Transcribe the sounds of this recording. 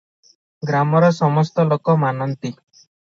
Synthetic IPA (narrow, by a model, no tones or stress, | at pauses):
ɡɾamɔɾɔsɔmɔst̪ɔlokɔmanɔnt̪i